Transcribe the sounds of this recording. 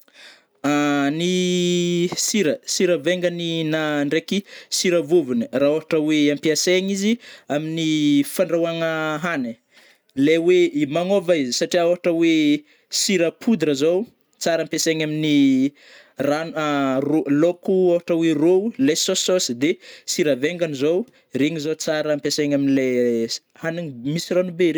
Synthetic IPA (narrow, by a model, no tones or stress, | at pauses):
ani | siɾəsiɾəveŋɡəninaɳɖ͡ʐekisiɾəvovunəraoɦaʈ͡ʂəweampiaseŋiziaminifaɳɖ͡ʐawaŋəɦani | leweimaŋovaizisaʈ͡ʂiawaʈ͡ʂəwe | siɾəpʰud̪ɾəzow | t͡saɾampeseŋamini | ranrolokuawaʈ͡ʂəweroulesososid̪esiɾəveŋɡanizow | reŋizot͡saɾəmpeseŋaminile | haniŋmisiranubeɾe